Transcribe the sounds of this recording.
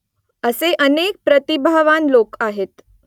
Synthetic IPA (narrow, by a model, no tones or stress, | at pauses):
əseʔənek̚pɾət̪ibʱaʋanlokaɦet̪